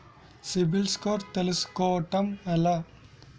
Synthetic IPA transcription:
sibilskoːɾt̪elɐskoːʈɐmelɐ

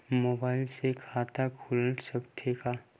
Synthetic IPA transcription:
moːbaːɪlsekʰaːt̪akʰʊlsəkt̪ʰeka

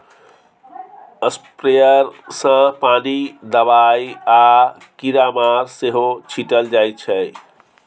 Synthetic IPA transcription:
əspɾejəɾsə̃panid̪əβaja | kiɾamaɾseɦot͡ʃʰiʈəld͡ʒajt͡ʃʰə

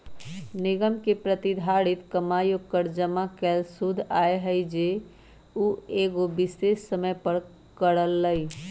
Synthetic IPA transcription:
nɪɡəmkepɾət̪id̪ʱaɽɪt̪kəmajokəɾd͡ʒəmakelsud̪ʱaeɦəjd͡ʒe | ueɡobɪsesːəməjpəɾ | kəɽəlːəi

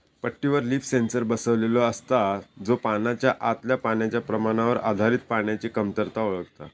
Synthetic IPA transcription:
pəʈːiʋəɾliːfsensəɾbəsəʋlelɔəst̪ad͡zopanat͡ɕjaʔat̪ljapaɳjat͡ɕjapɾəmaɽ̃aʋəɾa̰d̪ʱaɾiːt̪̚paɳjat͡ɕiːkəmt̪əɾt̪aoɭəkt̪a̰

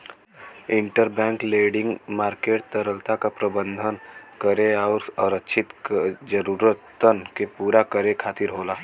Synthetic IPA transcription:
ɪ̃ɳʈəɾbɛ̃ːŋkleːɖɪ̃ŋɡmaːɾkeːʈ̚t̪əɾəlt̪akapɾəbə̃nd̪ʱənkəɾeɔːɾɔɾətːʃʰɪt̪d͡ʒəɾuːɾət̪ːənkepuːɾakəɾekʰaːt̪ɪɾɦoːlaː

